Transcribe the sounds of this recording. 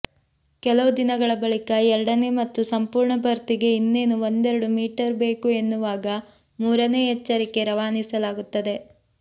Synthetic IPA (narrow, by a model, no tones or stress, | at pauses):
kɛlɐʋud̪inɐɡɐɭɐbɐɭikɐɛɾɐɽɐne̞mɐt̪ːusɐmpuːɾɳɐpɐɾt̪iɡe̞inːe̞ːnuond̪eɾɐɽumiːʈɐɾbe̞ːkue̞nːuʋaːɡɐ | muːɾɐne̞ːɦɛt͡ʃːɐɾike̞ɾɐʋaːnisɐlaːɡut̪ːɐd̪e̞